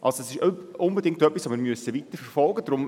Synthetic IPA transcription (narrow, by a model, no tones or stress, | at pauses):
ʔɑ̰lsoɛsɪʃʊnbedɪŋktœpːisʋomɪːɾmyəsəvit̪əɾfɛɾfɔlˠɡəd̥̪ɾʊm